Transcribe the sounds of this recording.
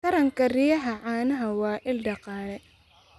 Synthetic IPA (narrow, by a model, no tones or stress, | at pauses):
tɐɾɐŋkʰɐrijɐɦɐʕɑːnɐɦɐwɑːʔɪlɖɑqɑːlɛ